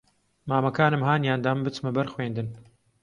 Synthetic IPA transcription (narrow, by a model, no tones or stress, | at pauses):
maːmɐkaːnɨmhaːnjaːnd̪aːmbɨt͡smɐbɐɾxweːnd̪ɨn